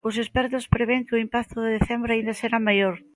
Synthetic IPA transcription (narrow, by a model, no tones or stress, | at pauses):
ʊsespɛɾt̪ʊspɾeβeŋkɪʊimpakt̪ʊðeðeθembɾʊaind̪aseɾamajoɾ